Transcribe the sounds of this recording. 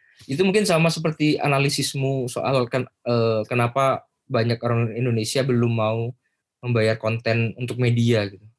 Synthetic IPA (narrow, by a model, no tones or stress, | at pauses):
it̪̬umuŋkɪnsamasəp̬ərt̪ia̰nalisɪsmuso̰ʔa̰lkəəːkənapa | baɲakoɾaŋindonesiabəlʊmːau | məmbajarkɔnt̪ɛnunt̪ʊk̚mediaɡit̪u